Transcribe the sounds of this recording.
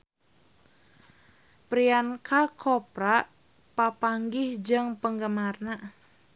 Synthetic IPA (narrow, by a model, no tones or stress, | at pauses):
pɾiankʰakʰɔpɾaʔ | papaŋɡɪhd͡ʒɨŋpəŋɡəmarna